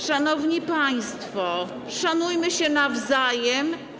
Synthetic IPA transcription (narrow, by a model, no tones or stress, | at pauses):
ʂanɔvɲipaj̃st̪fɔ | ʂanujmɘɕɛnavzajɛm